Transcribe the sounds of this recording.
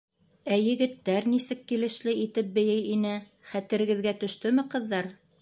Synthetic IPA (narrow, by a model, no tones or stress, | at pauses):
æjɘ̆ɡɘ̆t̪ːæɾnisɘkːilɘ̆ʃlɘit̪ɘp̚bɘ̆jɘjinɘ | χæt̪ɘ̆ɾɘ̆ɡɘ̆ðɡæt̪ɵ̆ʃt̪ɵmɘqɤ̆ðːɑɾ